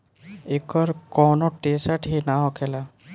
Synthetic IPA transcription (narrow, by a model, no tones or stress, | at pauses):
ekɔɾkɔnoʈesaʈɦinaɦɔkʰela